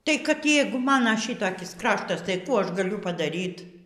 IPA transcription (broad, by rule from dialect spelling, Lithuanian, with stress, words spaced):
tɐɪ kɐt ˈjɛɪɡʊ ˈmɑːnɐ ˈʃʲɪtɐkʲɪs ˈkrɑːʃtɐs tɐɪ ˈkuː ˈɐʃ ɡɐˈlʲʊ pɐdɐˈrʲiːt